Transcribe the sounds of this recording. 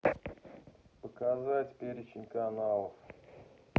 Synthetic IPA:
pəkazatʲpʲeɾʲɪt͡ɕɪnʲkanalˠəf

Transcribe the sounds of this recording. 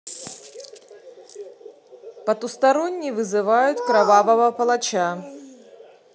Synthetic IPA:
pɐt̪ust̪aɾɔnʲːivɨzɨvajut̪ʲkɾavavɐvɐpɐlˠat͡ɕa

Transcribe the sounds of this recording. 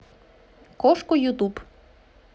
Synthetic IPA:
kɔʃkʊjut̪ub

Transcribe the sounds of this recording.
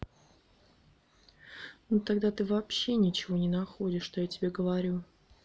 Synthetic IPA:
nut̪aɡd̪at̪ɨvɐpɕːenʲɪt͡ɕɪvo̞nʲɪnɐxo̞dʲɪʂʂt̪ojatʲɪbʲeɡəvɐɾʲu

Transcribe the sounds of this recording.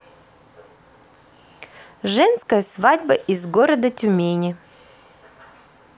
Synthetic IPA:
ʐɛnskəjəsvadʲbəʔizɡoɾəd̪ətʲʊmʲenʲɪ

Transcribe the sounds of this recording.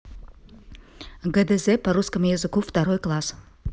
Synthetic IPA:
ɡəd̪ezʲepɐɾuskəmjazɨkuft̪aɾojklˠas

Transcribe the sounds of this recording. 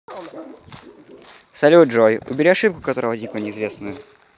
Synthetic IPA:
sɐlʲuʐojʔʊ̰bʲɪɾʲiɐʂɨp̚kʊ̥kɐt̪o̞ɾəvɐd̪ʲnʲiklˠənʲɪɪzvʲesnɨjʊ

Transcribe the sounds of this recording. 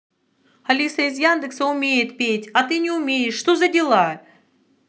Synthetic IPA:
ɐlʲisəizjand̪ɨksəʊmʲejɪt̪pʲetʲɐt̪ɨnʲɪʊmʲejɪʂːt̪ozɐdʲɪlˠa

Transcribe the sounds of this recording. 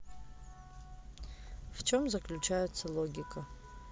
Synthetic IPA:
ft͡ʃʰo̞mzɐklʲut͡ʃʰajʊt̪sʰːɐlˠo̞ɡʲikɐ

